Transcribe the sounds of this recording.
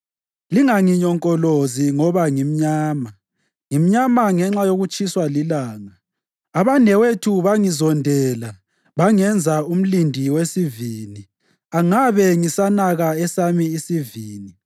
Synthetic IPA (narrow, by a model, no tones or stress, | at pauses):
liŋaŋiɲɔŋkʼɔloziŋɔβaŋim̩ɲaːma | ŋim̩ɲamaŋɛŋ͡ǁajoɣut͡ʃʼiswalilaːŋaː | βanɛwetʰuβaŋizɔndʱɛla | βaŋɛnd͡zʱaum̩lindʱiwesiviːni | aŋaβɛŋisanaɣaɛsamiːsiviːni